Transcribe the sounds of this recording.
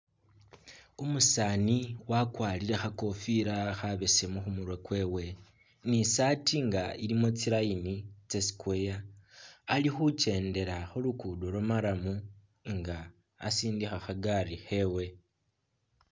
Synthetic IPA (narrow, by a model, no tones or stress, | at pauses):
omusaːniwakwaːliɾe̞xako̞fiɾaxaβe̞semuxumuɾwekwe̞ːwe̞ | nisatʰiŋɡaiɾimo̞t͡siɾainit͡sesi̥kwejaː | lixut͡ʃe̞ːnde̞ɾaxolukudolamaɾamu | ŋɡa̰ː | siːndixaxaɡarixe̞we̞